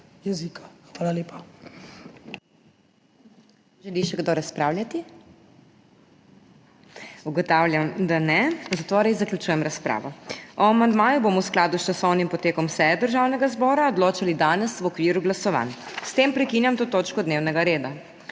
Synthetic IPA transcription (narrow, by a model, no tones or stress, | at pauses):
jɛzikʰḁxʋaːlaleːpa | ʒɛliʃɛɡd̪oɾaspɾawljat̪i | uɡɔt̪awlʲjamd̪anɛzat̪oɾezaklʲut͡ʃuːjɛmɾaspɾa̰ːʋɔɔamand̪maːjuboːmɔwsklaːd̪ust͡ʃasɔwnimpɔt̪eːkɔmsɛjɛd̪əɾʒawnɛɡazbɔːɾaɔd̪loːt͡ʃalid̪aːnɛsʋɔkʋiːɾuɡlasɔʋa̰n | st̪eːmpɾɛkiːnjamt̪oːt̪oːt͡ʃkɔd̪neːwnɛɡaɾeːd̪a